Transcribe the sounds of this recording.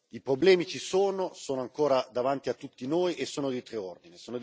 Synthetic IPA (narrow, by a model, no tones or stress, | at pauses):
ipɾoblɛːmit͡ʃisoːnosoːnoaŋkoːɾad̪avant̪iat̪ːut̪ːinoːjʔesːoːnod̪it̪ɾeɔrd̪inisoːnod̪